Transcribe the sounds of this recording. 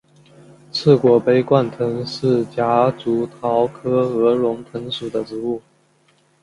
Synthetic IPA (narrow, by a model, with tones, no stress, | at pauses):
t͡sʰɹ̩˥˩kwɔ˨˩pe˥ɪkwa˥˩nt̪ʰɤ˧˥ŋʂɻ̩˥˩t͡ɕja˧˥t͡su˧˥t̪ʰɑ˧˥ʊkʰɤ˥ɤ˧˥lʊ˧˥ŋt̪ʰɤ˧˥ŋʂu˨˩d̪ə˦ʈ͡ʂɻ̩˧˥u˥˩